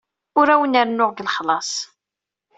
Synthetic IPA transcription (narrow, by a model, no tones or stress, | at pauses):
ʊɾæwənəɾnʊʁɡəlχlɑsˤ